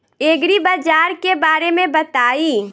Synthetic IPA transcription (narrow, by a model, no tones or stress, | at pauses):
eːɡɾibaːd͡ʒaːɾkebaːɾemẽbɐt̪aːiː